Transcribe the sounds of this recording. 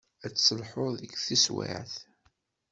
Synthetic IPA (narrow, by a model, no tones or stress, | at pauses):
æt͡sːsəlħʊðəɡθiswḛʕθ